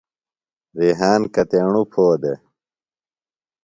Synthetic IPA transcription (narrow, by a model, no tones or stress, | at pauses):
ɾiɦaːnkɐt̪eɳupʰoːd̪e